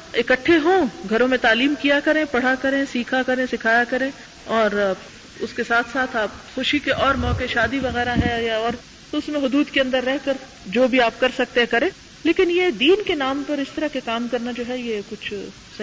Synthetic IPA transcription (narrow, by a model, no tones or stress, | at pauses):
ɪkəʈʰːeɦõːɡʱɐɾõmẽt̪aːliːmkijakɐɾẽpɐɽ̤akɐɾẽsiːkʰakɐɾẽsɪkʰaːjakɐɾẽ | ɔːɾ | ʊskesaːt̪ʰsaːt̪ʰaːp̚xʊʃikeʔɔːɾmɔːkeʃaːd̪iʋɐɣɛːɾaɦɛjaɔːɾ | t̪oʊsmẽɦʊd̪uːd̪keɐ̃nd̪əɾːɛɦkɐɾ | d͡ʒoːbʱiaːp̚kɐɾsɐk̚t̪ẽɦɛ̃kɐɾẽː | leːkɪnjed̪iːnkenaːmpɐɾɪst̪ɐɾakekaːmkɐɾnad͡ʒoːɦɛjekʊt͡ʃʰ | sɐ